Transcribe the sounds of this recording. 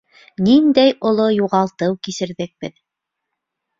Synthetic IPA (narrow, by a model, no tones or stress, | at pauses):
nind̪æjŏlˠojuʁɑlˠt̪ɤwkisɘ̆ɾðɘk̚b̥ɘð